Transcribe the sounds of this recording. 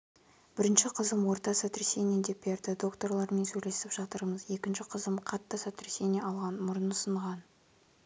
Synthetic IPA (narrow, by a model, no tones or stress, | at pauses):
b̥ɪɾɪnʃɪqʰəzəmwo̞ɾt̪ɑsat̪ɾese̞nʲied̪e̞p̚beɾt̪ɪd̪o̞kt̪o̞rlˠɑɾme̞nsɵjle̞sɪpʒ̥ɑt̪əɾəməze̞kʲɪnʃɪqʰəzəmqʰɑt̪ːəsat̪ɾeseneʔɑlˠʁɑnmʊɾənʊsəɴʁɑn